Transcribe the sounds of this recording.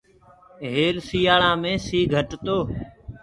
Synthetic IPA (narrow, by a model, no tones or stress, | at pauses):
ɦeːlsiːjaːɭãːmẽːsiːɡʱəʈt̪oː